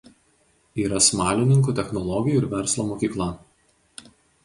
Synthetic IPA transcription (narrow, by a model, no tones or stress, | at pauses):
iːɾɐsmɑːlʲɪnʲɪŋk̬uːˑt̪ʲɛxnɔlˠɔɡʲɪjuɪɾʋʲɛɾslˠomoːkʲiːklˠɐ